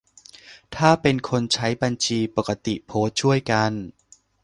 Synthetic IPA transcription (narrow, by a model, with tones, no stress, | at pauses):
t̪ʰaː˥˩pe˧nkʰo˧nt͡ɕʰa˦˥jba˧nt͡ɕʰiː˧po˨˩kːa˧˦˥t̪i˨˩pʰoː˦˥t̪̚t͡ɕʰu˥˩əjka˧n